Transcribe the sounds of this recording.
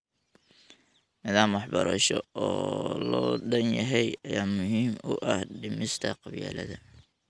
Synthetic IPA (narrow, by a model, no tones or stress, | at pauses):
nɪðaːmwɑħbɐɾɐ̰ʃɔɔːlɔːɖɐnjɐɦɛjɐjaːmʊɦiːmʊʔɐhɖɪmɪst̪ʰɐqɑβjɛ̰ːlɐ̰ðɐ